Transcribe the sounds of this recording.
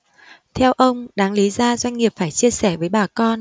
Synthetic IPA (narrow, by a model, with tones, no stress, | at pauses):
t̪ʰɛ˧wʔə˧wŋ͡mɗaː˨˦ŋli˨˦zaː˧zwa˧jŋ̟ŋi˨˩əp̚faː˧˩jt͡ɕi˧əsɛ˧˩vəː˨˦jɓaː˨˩kɔ˧n